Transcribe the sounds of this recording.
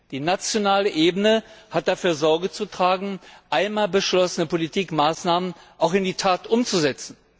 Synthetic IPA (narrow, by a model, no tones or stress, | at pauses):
d̥iːnat͡sjonaːləʔeːbənəhat̚d̥afyːɐzɔɐɡət͡sutʁ̥aːɡŋ̩ʔaɪnmaːlbəʃlɔsənəpʰolitʰiːkmaːsnaːmən | ʔaʊxɪndiːtʰaːtʔʊmt͡suzɛt͡sn̩